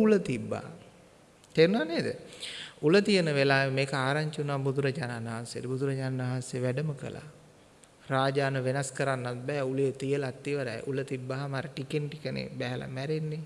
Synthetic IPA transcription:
ulət̪ibːa̰ː | t̪eɾunaːneːd̪ə̰ulət̪ijənəʋelaːjmeːkəaːɾaɲt͡ʃunaːbud̪uɾəd͡ʒaːnanɦansejedəbud̪uɾəd͡ʒaːnanaɦanseəʋæɖəməkə̰la̰ː | raːd͡ʒaːnəʋenaskəɾanːat̪̚bɛːulijet̪ijəlat̪ːiʋəɾajʔulət̪ibːaːɦamaɾəʈikenʈikənḛbɛɦɛlʔa̰mæɾenːe

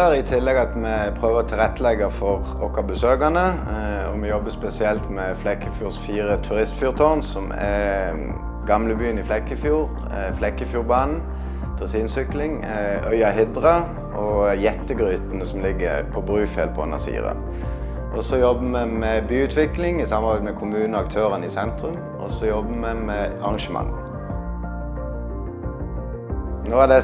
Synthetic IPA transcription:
ɾɪt̪ʰɪlːɛɡɑt̪mɛpʰʁøːʋəʁɔt̪ʰɪlʁɛt̪ːəlɛɡəfɔʁ | ɔkːɑbəsøːɡɑnəɔmɛjɔbːəspɛsɪɛlt̪mɛflɛkːəfjuːʁsfiːʁət̪ʰʉʁɪst̪fuːʁt̪ʰɔʁnsɔmɛ̰ | ɡɑmləbyːənɪflɛkːəfjuːʁ | flɛkːəfjuːʁbɑːnn̩ | d̪̥ʰʁɑsiːnsʏklɪŋ | œʏɑɦɪd̪ʁɑ | ʔɔjɛt̪ːəɡʁyːt̪nəsɔm̩lɪɡːəpʰɔbʁʉːfɛlpʰɔʊ̰nɑ̰sḭːʁɑ̰ | ʔɔsɔjɔbəmɛmɛbyːʉːt̪ʰʋɪklɪŋɪsɑmɑʁbæɪmɛkʰʊmʉːnn̩ɔɑk̚t̪ʰøːʁənəɪsɛnt̪ʁʉm | ʔɔ̰sɔjɔbəmɛmɛɑʁɑŋʃəmɑ̰ŋː | noːæd̪ɛ

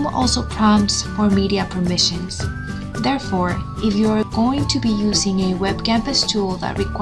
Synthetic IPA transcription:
mɔ̰lˠsoʊpʰɹ̥ɑ̃msfɔɹmiɾiɨpʰə˞mɪʃɨ̃nz̥ | ðɛɹfɔɹ | ɪfjuaɹɡoʊɪ̃ŋtʰɨbijuzɪ̃ŋɨwɛbkæ̃mpɨstʰulˠðæ̰t̚ɹikʰ

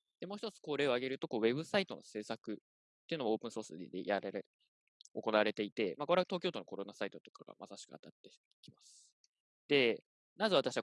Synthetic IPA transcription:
d̪̥e̞mo̞ːçi̥t̪t͡sɨ̥ko̞ːɾe̞ːoaɡe̞ɾɯ̟t̪o̞ko̞ːβe̞bɯ̟sait̪o̞̰no̞̰se̞ːsakɯ̟ | t̪ːe̞iɯ̟no̞mooːpɯ̟ɰ̃so̞ːsɨd̪d̪ḛjʔaɾeɾe | o̞ko̞naβaɾe̞t̪e̞it̪e̞mako̞ɾe̞at̪o̞ːkʲot̪o̞no̞ko̞ɾo̞nasait̪o̞t̪o̞̥kaɡ̥a̰mʔasaɕi̥kɯ̟a̰t̪at̪ːe̞ | kʲimasɨ̥ | d̪̥e̞ | nazɨβat̪aɕiβa

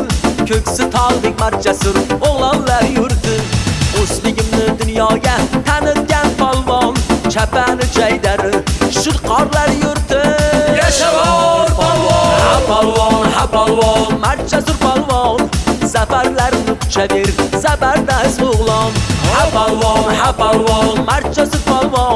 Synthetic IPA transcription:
kʲʰɵkʲsɪt̪ʰɑlˠd̪ɪk̚ʲmaɾt͡ʃʰasʊɾoʁlˠɑnlaɾjʊɾd̪ɪoslɪɡʲɪmnɪd̪ʊnjɒɡʲat̪ʰanɪd̪̚ɡʲanpʰɒlˠvɑnt͡ʃʰapanɪd͡ʒajd̪aɾɪʃʊɾqʰɑɾlaɾjʊɾt̪ɪjaʃa | aplˠɔnhaplˠmaɾ̚t͡ʃʰasʊɾpɑlˠvɑnz̥afaɾlaɾɪmnɪkʲʰʊ̥t͡ʃʰabeɾzafaɾd̪asʊʁlˠɑnhaplˠhaplˠvmaɾ̚t͡ʃʰasʊɾpʰɑlˠvɑ

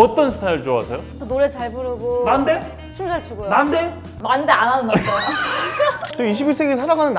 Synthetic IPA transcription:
ʌt͈ʌnsʰɯ̥tʰajɯɭt͡ɕoasʰejotonoɾet͡ɕaɭbɯɾɯɡonande | t͡ɕʰimd͡ʑaɭt͡ɕuɡojnande | mandeananɯna | t͈oiɕ̬ʰibiɭs͈ʰe̞ɡesʰaɾaɡanɯnː

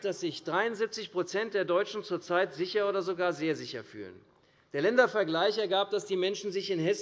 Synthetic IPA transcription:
d̥asz̥ɪçd̥ʁaɪʊnzip̚t͡sɪçpʁ̥ot͡sɛnt̚d̥eːɐdɔʏt͡ʃn̩t͡suːɐt͡saɪtz̥ɪçɐoːdɐzoɡaːɐzeːɐzɪçɐfy̰ːlə̰n | d̥eːɐlɛndɐfɛɐɡlaɪçɛɐɡaːp̚d̥asd̥iːmɛnʃn̩zɪçɪnhɛs

